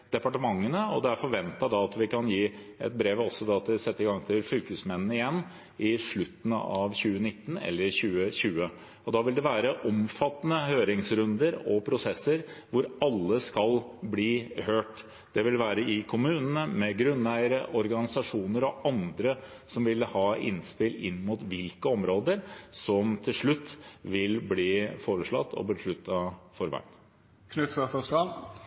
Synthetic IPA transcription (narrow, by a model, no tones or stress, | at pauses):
d̪̥ɛpɑʈəmɑŋːənəɔd̪ɛæɾfɔɾʋɛnt̪ɑd̪ɑɑt̪ʋɪkʰɑnjiːɛ̰t̪̚bɾeːʋɔsːɔd̪ɑɑt̪̚d̪ɛsɛt̪ːəɪɡɑŋːt̪ʰɪlfʏlkəsmɛnnəɪjɛnː | ɪʂɭʉt̪ːən̩ɑʋçʉːənɪt̪ːən̩ɛ̰lːəɾçʉːəçʉːə | ɔd̪ɑʋɪld̪ɛʋæːɾəʔɔmfɑt̪ːnəhøːɾɪŋsɾʉnd̪əɾɔpʰɾʊsɛsːəɾʋʊɾɑlːəskɑlbliːhøːʈ | d̪̥ɛʋɪlʋæːɾəɪkʰʊmʉːnənəmɛɡɾʉnæɪəɾəʔɔɾɡɑnɪsɑʂuːnəɾɔɑnd̪ɾə | sɔmʋɪlːəhɑːʔɪ̰nspɪlɪnːmuːt̪ʋɪlkəɔmɾoːd̪əɾsɔmt̪ʰɪlʂɭʉt̪ːʋɪlbliːfoːɾəʂɭɑt̪ːɔ̰bəʂɭʉt̪ʰːɑfɔɾʋæ̰ɪn | kʰnʉt̪fɑsɔskɑn